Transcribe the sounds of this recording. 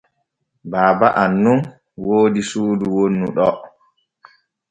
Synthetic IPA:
baːbaʔanːun | woːdisuːduwonːṵɗɔ

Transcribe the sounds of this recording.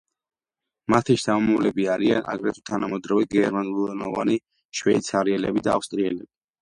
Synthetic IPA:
mat̪ʰiʃd̪aɔmavlɛbiaɾia̰nʔa̰ɡɾɛt̪ʰut̪ʰanamɔd̪ɾaviɡɛɾmanulɛnɔva̰ni | ʃwɛit̪sʰaɾiɛlɛbid̪aafst̪ʼɾiɛlɛbi

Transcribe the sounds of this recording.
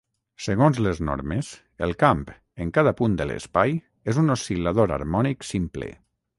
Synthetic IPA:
səɣonzləzno̰ɾmes | əlˠkamp | eŋkaðapund̪ələ̰spaj | ezunosilaðoɾa̰ɾmɔniksimplḛ

